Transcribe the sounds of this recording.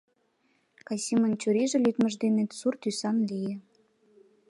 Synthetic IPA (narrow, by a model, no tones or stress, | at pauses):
kɑsʲimənt͡ɕuɾiʒĕlyt̪mə̆ʒd̪enet̪surt̪ysɑnlije